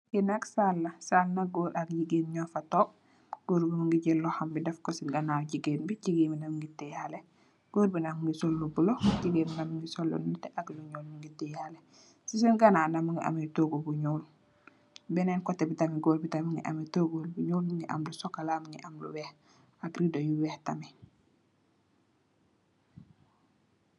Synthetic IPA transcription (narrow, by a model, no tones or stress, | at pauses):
ɡinaksalːasalnaɡoːɾakɟiɡeːnɲɔːfatoː | ɡ̥oːɾbimuŋɡiɟɛlːohambidɛfkosiɡanaːɟiɡenbiɟiɡeːminamiŋɡitɛjale | ɡ̥oːɾbinamuŋɡisolːubuloɟiɡeminamiŋɡisolːṵnnutɛʔaɡluɲoːlmiŋɡitɛjale | sisinɡanaːnamuŋɡiʔa̰mitoɡobuɲoːl | bɛnɛnkɔtːɛbitamiɡoːɾbitamiŋɡiʔa̰mitoːɡolbuɲoːlmiŋɡiʔa̰mlusɔkalaːmiŋɡiʔamlṵwɛːh | aɡɾidojuwɛːhtami